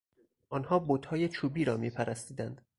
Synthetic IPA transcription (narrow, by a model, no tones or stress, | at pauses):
ʔɒnhɒːbod̪hɒːjet͡ʃʰuːbiːɾɒːmḭːpʰæɾæst̪iːd̪ænd̪̥